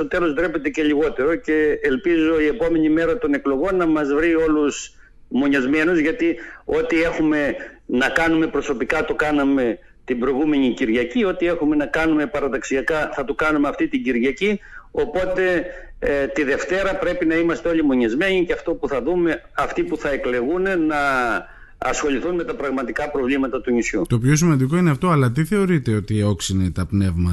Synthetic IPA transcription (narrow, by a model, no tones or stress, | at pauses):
ot̪e̞lo̞zd̪ɾepet̪ece̞ʎiɣo̞t̪e̞ɾo̞ce̞ːlpizo̞ie̞po̞me̞ɲime̞ɾɐt̪o̞ne̞klo̞ɣo̞nːɐmɐzvɾio̞lus | mo̞ɲɐzme̞nuzʝɐt̪io̞t̪ie̞xume̞nɐkɐnume̞pɾo̞so̞pikɐt̪o̞kɐnɐme̞ | t̪ibɾo̞iɣume̞ɲiciɾʝɐcio̞t̪ie̞xume̞nɐkɐnume̞pɐɾɐt̪ɐksiɐkɐθɐt̪okɐnumeɐft̪it̪iɟiɾʝɐcio̞po̞t̪e̞ | t̪iðe̞ft̪e̞ɾɐpɾe̞pinɐimɐst̪eo̞limo̞ɲizme̞ɲicɐft̪o̞puθɐðume̞ɐft̪ipuθɐe̞kle̞ɣunenɐː | sxo̞ʎiθunme̞t̪ɐpɾɐɣmɐt̪ikɐpɾo̞vlimɐt̪ɐt̪unisçut̪o̞pço̞simɐnd̪ik̬o̞ineɐft̪o̞ɐlɐt̪̬iθe̞o̞ɾit̪e̞o̞t̪io̞ksinet̪ɐpne̞vmɐt̪